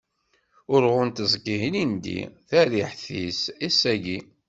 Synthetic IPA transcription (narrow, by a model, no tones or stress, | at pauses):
ʊɾʁʊnt̪əzˤkːiɦnind̪ḭθæɾiħθisæsæʝi